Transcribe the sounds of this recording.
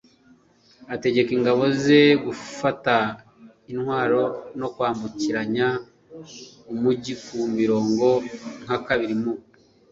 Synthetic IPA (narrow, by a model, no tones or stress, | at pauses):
ate̞ɟe̞kiŋɡaβo̞ze̞ɡufata | inhwaːɾo̞no̞kwaːmbuciɾaɲa | umuɟikumiɾo̞ːŋɡo̞ŋ̥akaβiɾimu